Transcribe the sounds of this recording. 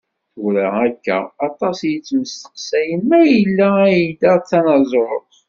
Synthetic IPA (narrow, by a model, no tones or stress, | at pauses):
ʊɾæækːæ̰ːt̪ˤɑsjit͡sːməst̪ə̥qsæjəmːæjəlːææjidæt͡sːɑnɑzˤɾt̪ˤ